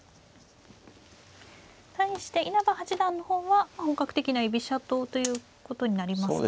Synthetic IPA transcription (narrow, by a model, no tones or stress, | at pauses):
t̪aiɕi̥t̪e̞ʔinabahat͡ɕid̪ãnːo̞hõ̞ːβahoŋkakɯ̟̥t̪e̞kʲinaibʲiɕat̪o̞ːt̪o̞jɯ̟ː | ko̞t̪o̞ɲ̟inaɾʲimaso̰